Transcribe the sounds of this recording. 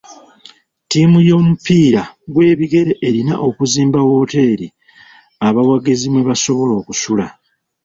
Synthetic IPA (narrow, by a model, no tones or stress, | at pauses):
tiːmujo̞ːmupiːɾaɡwe̞ːβiɡe̞ɾe̞ʔeɾina̰ʔo̞kuziːmbawo̞ːte̞ːɾi | aβawaɡezimweβaso̞βo̞lo̞ːkusula̰